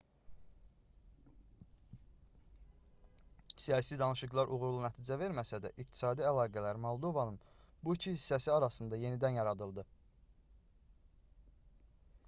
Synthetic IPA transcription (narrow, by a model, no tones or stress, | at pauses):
sijɑːsid̪ɑnɯʃɯɡlˠɑɾʔuɣɾulˠunæt̪ʰiːd͡ʒæve̞ɾmæsæd̪æ̰ʔikt̪ʰi̥sɑːd̪iælˠɑːɡælæɾmɑlˠd̪o̞vɑnɯnbuicʰihisːæsiɑɾɑsɯnd̪ɑje̞nid̪ænjɑɾɑd̪ɯlˠd̪ɯ